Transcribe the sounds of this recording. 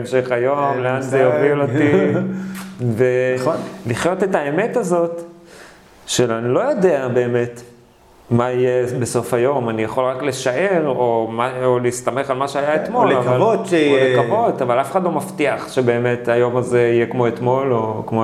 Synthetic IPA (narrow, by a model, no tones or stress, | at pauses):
mʃeχajo̞mleanzejoviloti | venliχjo̞te̞taeme̞tazo̞t | ʃeanilo̞jo̞deabe̞ːme̞t | maijebeso̞fajo̞manijaχo̞lʁakle̞ʃaʔe̞ʁomaoliist̪ame̞χalmaʃeajaet̪molavalvotlekavo̞tavalafeχad̪lomaftiaχʃe̞be̞ːme̞tajo̞mazeijekmo̞e̞t̪mo̞lokmo